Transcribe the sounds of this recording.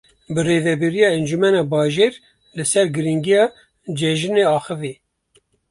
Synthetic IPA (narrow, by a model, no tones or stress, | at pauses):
bɨreːvɛbiɾijɑːɛnd͡ʒumɛnɑːbɑːʒeːɾ | lɨsɛɾɡɨɾiŋɡijɑː | d͡ʒɛʒɨneːɑːxɨveː